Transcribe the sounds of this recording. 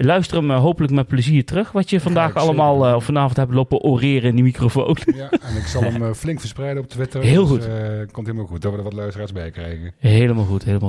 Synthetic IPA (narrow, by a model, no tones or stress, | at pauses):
lœɥstərəmɦowpələkmɛt̚pləziːɹtərɵxʋɑtjəvɑndaːxɑləmaːlˠɔfɑnaːvɔntɦɛplowpəʔorɪːrəɪndimikrofo̰wnjɛnɪksɑlˠəmflɪŋkfəɹsprɛjdənɔp̚tʋɪtəɹɦɪːlˠxutkɔmtilˠmaxut̚dɔtʋədəʋɑtlœɥstəraːɹsbɛjkrɛjɣəɦejləmaːlˠɣutɦejləma